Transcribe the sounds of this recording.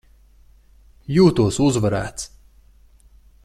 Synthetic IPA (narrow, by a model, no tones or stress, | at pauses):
juːt̪uːsuzvɐɾa̰ːt̪s